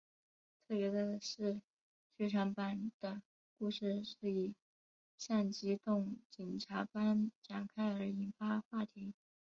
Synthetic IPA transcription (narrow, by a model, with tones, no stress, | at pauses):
t̪ʰɤ˥˩pjɛ˧˥d̪ə˧ʂɻ̩˥˧ | t͡ɕʰy˥˩ʈ͡ʂʰa˧˥ŋpa˨˩nd̪̥ə˩ | ku˥˧ʂɻ̩˥˩˧ʂɻ̩˥˩i˨˩ | ʂa˥˩nt͡ɕi˥t̪ʊ˥˩ŋt͡ɕi˨˩nʈ͡ʂʰa˧˥pa˥nʈ͡ʂa˨˩ŋkʰa˥ɪə˞˧˥i˧˥nfa˥xwa˥˩t̪ʰi˧˥